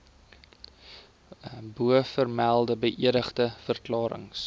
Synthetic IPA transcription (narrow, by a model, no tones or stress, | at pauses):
buəfərmælˠdəbəʔiəɾəχdəfərklɑːɾə̰ŋs